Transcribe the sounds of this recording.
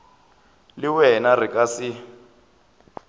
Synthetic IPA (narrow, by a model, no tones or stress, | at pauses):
liwɛnarikʼasi